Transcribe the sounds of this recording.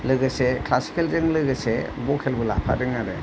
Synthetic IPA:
lɯɡɯseklasi̥kelzɯŋlɯɡɯsebɔkʰelbɯla̰pʰa̰dɯŋaɾɯ

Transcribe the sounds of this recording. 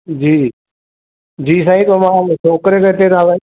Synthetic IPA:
d͡ʑiː | d͡ʑiːsãːĩt̪omãːt͡ʃʰoːkɾeket̪eɾaːʋə̃

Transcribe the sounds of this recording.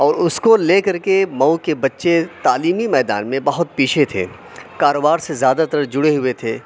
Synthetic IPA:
ɔːɾʊskoleːkɐɾkemɐwkebɐtːʃet̪aːliːmimɛːd̪a̰ːnmẽbɐɦʊt̪̚piːt͡ʃʰet̪ʰḛː | kaːɾoːbaːɾsezjaːd̪at̪əɾd͡ʒʊɽeɦʊet̪ʰeː

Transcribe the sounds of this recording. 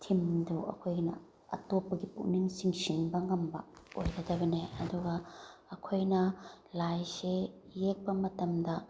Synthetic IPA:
t̪ʰimduʔɐ̰kʰojnɐ̰ | ʔɐ̰tɔpːɐɡipṵʔniŋsiŋsiŋbɐŋɐmbɐ̰ojdadɐbɐneɐd̪uɡɐɐkʰojnɐlajseːek̚pɐmɐtɐmd̪ɐ

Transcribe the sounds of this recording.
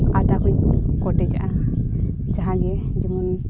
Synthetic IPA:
at̪akujkɔʈɛd͡ʒa̰ʔa | d͡ʒaɦãɡɛ | d͡ʒɛmun

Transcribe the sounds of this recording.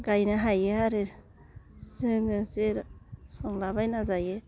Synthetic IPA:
ɡajnaɦajeɦaɾe | sɯŋɯzeɾsɔŋlabajnazaje

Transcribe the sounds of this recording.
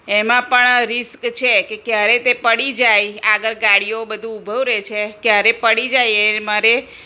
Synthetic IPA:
emãpəɳɾɪskt͡ʃʰekekjaɾet̪epəɽid͡ʒajaɡəɾɡaɽijobəd̪ʱũubʱəʋɾet͡ʃʰekjaɾepəɽid͡ʒajemaɾe

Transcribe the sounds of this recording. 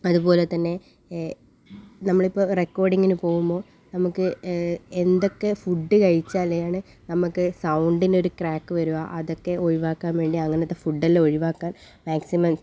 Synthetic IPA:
ɐðupo̞ːlet̪ːɐnːe̞ | nɐmːɐɭipːo̞rekːo̞ːrɖiŋːinupo̞ːɣumbo̞ː | nɐmukːɨend̪o̞kːe̞fuɖːɨkɐɻit͡ɕːaːlːɐjaːɳɨ | nɐmukːɨsɐwɳɖino̞ɾukraːkːɨʋɐɾuʋaːʔɐðo̞kːe̞ʔoɻiʋaːkːaːnʋe̞ːɳɖiɐŋːɐnet̪ːefuɖːɐlːeoɻiʋaːkːaːn | maːksimɐms

